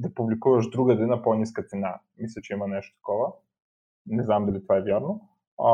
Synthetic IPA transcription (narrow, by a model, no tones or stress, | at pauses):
d̪ɐpublikuvɐʒd̪ɾuɡɐd̪ɛnaponiskɐt̪sɛna | mislʲɐt͡ʃɛimɐnɛʃt̪o̥t̪ɐ̥kɔvə | nɛznamd̪alit̪ovaɛvjaɾno